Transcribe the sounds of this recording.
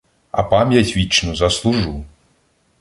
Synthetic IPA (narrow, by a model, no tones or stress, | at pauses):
a̰pamjasʲvʲit͡ʃnuzɐslˠuʐu